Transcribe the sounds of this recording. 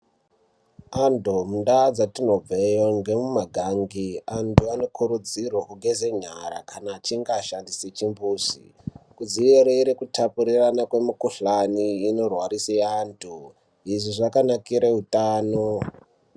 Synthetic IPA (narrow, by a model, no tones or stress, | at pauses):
andomundad͡zatino̞b͡vejoŋɡe̞mumaɡʱaŋɡiantʰuano̞kʰuɾud͡zirwakuɡʱezeɲaɾa̰kʰanaːt͡ʃiŋɡaʃandiset͡ʃimbuːsḭ | kud͡zieɾeiɾikutapuɾiranakwe̞mukuɬaniːno̞rwaɾiseantʰu | iʐiʐakanakiɾeutaːno